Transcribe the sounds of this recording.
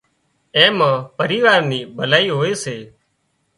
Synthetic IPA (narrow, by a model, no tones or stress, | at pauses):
ẽːmãːpəɾiːʋaːɾniːbʱəlaːiːɦoːeːseː